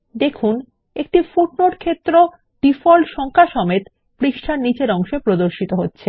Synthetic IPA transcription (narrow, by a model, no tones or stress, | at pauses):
d̪ekʰun | ekʈifuʈ̚noʈkʰet̪ːɾo | ɖifɔlɖʃɔŋkʰaʃɔmet̪ | pɾiʃʈʰaɾnit͡ɕeɾɔŋʃoepɾod̪oɾʃit̪oɦotːɕʰe